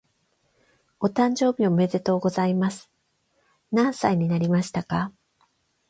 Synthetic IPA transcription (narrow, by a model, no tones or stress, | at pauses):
o̞t̪ãɲ̟d͡ʑo̞ːbʲiomeze̞t̪o̞ːɡo̞zaimasɨ̥ | nãɰ̃saiɲ̟inaɾʲimaɕi̥t̪aka